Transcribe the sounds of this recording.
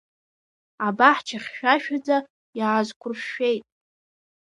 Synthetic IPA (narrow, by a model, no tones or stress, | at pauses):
abaħt͡ʃʰaχʲʃᶣaʃᶣad͡za | jaːzkʷʰʼʊrʃe̞jtʼ